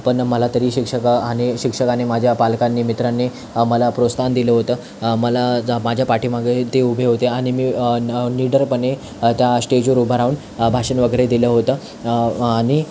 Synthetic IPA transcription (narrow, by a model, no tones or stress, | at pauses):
pəɳməlat̪əɾiːɕikʂəkaaneɕikʂəkanemad͡ʑʱjapalkanːimit̪ɾanːe | məlapɾost̪ʰand̪iləɦot̪əː | məlamad͡ʑʱjapaʈʰiːmaɡet̪eubʱeɦot̪eaɽ̃imiːniɖəɾpəɳe | t̪jasʈed͡ʑuɾubʱaɾaʋuɳ | bʱaʂənʋəɡəɾed̪iləɦot̪ə | aɽ̃i